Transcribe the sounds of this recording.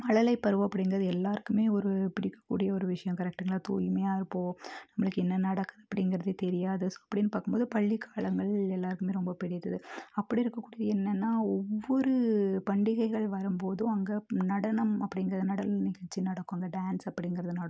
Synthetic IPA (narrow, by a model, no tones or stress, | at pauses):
mɐɻɐlɐɪpːɐɾɯʋɐ̃ɐpːɐɽɪŋɡɪɾɐðɯɛlːaːɾɯkːɯmeːɔɾɯpɪɽɪkːɐ̥kːṵːɽɪjɐɔɾɯʋɪʂɐjɐ̃mkɐɾɛk̚ʈɯŋɡɐɭaːt̪uːjmɐjaːɪɾɯpːoːnɐmːɐɭɯkːɯɛnːɐnɐɽɐkːɐðɐpːɐɽɪnɡɪɾɐðɯt̪ɛɾɪjaːðɯsɐpːɐɽɪnːɯpaːɾkɯmpboːðɯpɐɭːikːaːɭɐŋɡɐɭɛlːaːɾɯkːɯmeːɾɔmbɐpɪɽɪt̪ːɐðɯɐpːɐɽiɪɾɯkːɐkːuːɽɪjɐɛnːɛnːaːɔʋːɔɾɯpɐɳɖɪɣɐɪɣɐɭʋɐɾɯmpoːðɯ̃ɐŋɡɐnɐɽɐnɐmɐpːɐɽɪŋɡɪɾɐðɯnɐɽɐlɐlnɪɣɐɭt͡ʃːinɐɽɐkːaːŋɡɐɖaːnsɐpːɐɽɪnɡɪɾɐðɯnɐɽɐ